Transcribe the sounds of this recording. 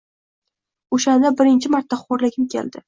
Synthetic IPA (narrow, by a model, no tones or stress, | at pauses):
oʃand̪abɪɾɪnt͡ʃʰɪmaɾt̪ːaχoɾlɪɡʲʰɪmkʲʰḛld̪ɪ